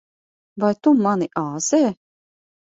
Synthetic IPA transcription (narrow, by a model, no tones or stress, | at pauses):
vajt̪umaniʔaːz̥ɛː